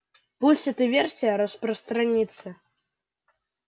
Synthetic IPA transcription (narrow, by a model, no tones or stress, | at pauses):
pusʲɛt̪ɨvʲersʲijaɾɐsprɐst̪ɾɐnʲit̪sə